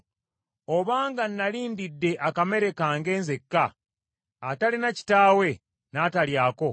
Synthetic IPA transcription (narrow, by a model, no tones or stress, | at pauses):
oβaːŋɡanːaliːndidːe̞ʔakame̞ɾe̞kaːŋɡe̞ːnzekːaː | talinaci̥taːwe̞ | naːtaljaːko̞